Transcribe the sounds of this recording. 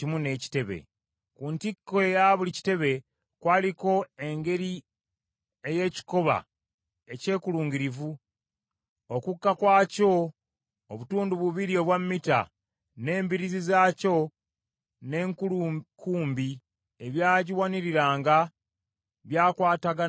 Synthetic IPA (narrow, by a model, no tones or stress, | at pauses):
cimune̞ːci̥te̞βḛ | kuntikːoejaβulici̥te̞βe̞ | kwaːliko̞e̞ŋɡe̞ɾi | e̞je̞ːci̥ko̞βa̰ | e̞ce̞ːkuluːŋɡiɾivu | okukːakwaːco̞ | oβutuːnduβuβiɾio̞βwamːita̰ | ne̞ːmbiɾizizaːco̞ | ne̞ːŋkkʰuːmbi | eβjaːɟiwaniɾiɾaːŋɡa | βjaːkwaːtaɡa